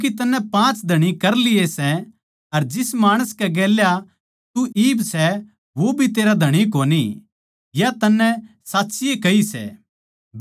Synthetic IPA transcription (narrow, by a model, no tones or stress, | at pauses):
kit̪ɐnːɛ̃pãːt͡ʃd̪ʱɐɽ̃ikɐɾlɪesɛ | ɐɾd͡ʒɪsmaːɽ̃əskɛɡɛːlja | t̪uʔiːbsɛ | ʋobʱit̪eːɾad̪ʱɐɽ̃ik̬oːni | jat̪ɐnːɛ̃ | saːtːsɪjekɐisɛ̰ː | b